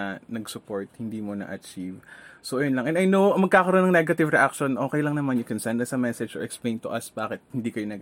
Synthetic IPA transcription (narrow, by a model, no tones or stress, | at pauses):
ɐnɐɡsʊpo̞ɹt̪̚hɪnd̪iːmonɐ̰ʔɐt͡ʃivsoʔɐjonlɐŋʔɛnɐjnoɐŋmɐɡ̚kaːkɐɾonːɐŋnɛɡɐt̪ɪvɾɛʔakʃonʔo̞ːkɛjlɐŋnɐmanjʊkɛnsanːɐsɐmɛsɛd͡ʒɔ̰ɹʔɛksplẽj̃nt̪ʊʔɐsbaːkɪt̪̚hɪnd̪iːkɐjonɐɡ